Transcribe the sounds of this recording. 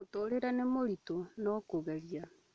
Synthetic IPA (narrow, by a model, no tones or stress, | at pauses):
toːɾeɾanemoɾitonɔkoɣɛɾia